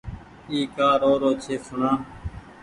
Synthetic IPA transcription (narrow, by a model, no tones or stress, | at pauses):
iːkaːɾoːɾoːt͡ʃʰeːsʊɳãː